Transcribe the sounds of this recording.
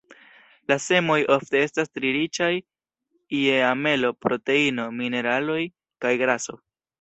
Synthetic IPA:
lase̞mo̞jo̞fte̞e̞stastɾiɾit͡ʃaj | ieame̞lo̞pɾo̞te̞ino̞mine̞ɾalo̞j | kajɡɾaso̞

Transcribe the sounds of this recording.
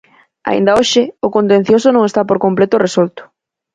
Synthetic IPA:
a̰ḭnd̪ɐoʃɪʊkont̪ẽn̟θjosonõŋest̪apoɾkomplet̪ʊresolt̪ʊ̥

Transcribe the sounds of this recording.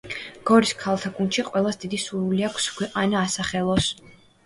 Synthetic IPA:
ɡ̥ɔɾiskʰalˠt̪ʰakʼunʃiqʼwɛlˠasd̪id̪isuɾuliakʰsɡwɛqʼanaːsaχɛlˠɔs

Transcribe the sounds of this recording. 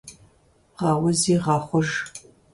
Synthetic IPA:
ʁɑːwʊziːʁɑːχʷʊʒ

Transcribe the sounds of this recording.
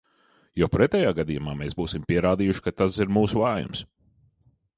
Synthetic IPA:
jɔpɾɛt̪ʲɛːjaːɡad̪ijumaːmeːsbuːsimpiɛɾaːd̪iːjuʃkat̪asiɾmuːsuvaːjṵms

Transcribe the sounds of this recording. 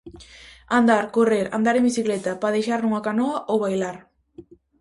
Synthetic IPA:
and̪aɾkoreɾa̰nd̪aɾembisiklɛt̪apaðejʃaɾnuŋakanoɐʔowβajlaɾ

